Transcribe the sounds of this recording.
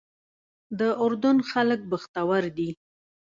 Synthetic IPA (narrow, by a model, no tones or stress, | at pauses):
d̪əʔʊɾd̪ʊnxalək̚bəxt̪awaɾd̪i